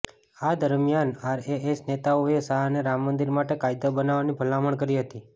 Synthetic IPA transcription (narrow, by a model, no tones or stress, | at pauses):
ad̪əɾmjanaɾeesnet̪aoesaɦneɾamːənd̪iɾmaʈekajd̪obənaʋanipʰəlaməɳkəɾiɦət̪i